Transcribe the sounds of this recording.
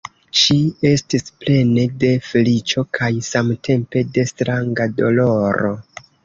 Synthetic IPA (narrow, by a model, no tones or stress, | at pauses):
ʃie̞stisple̞ne̞de̞felit͡ʃo̞kʰajsamtʰe̞mpe̞de̞stɾaŋɡado̞lo̞ɾo̞